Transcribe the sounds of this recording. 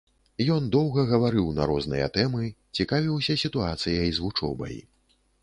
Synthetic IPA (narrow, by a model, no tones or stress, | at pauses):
jɔnd̪ɔwɣɐɣɐvaɾɨwnɐ̰ɾɔznɨ̰jɐ̰t̪ɛmɨt͡sʲikavʲiwsʲɐsʲit̪uat̪sɨjɐjzvut͡ʂɔ̰bɐ̰j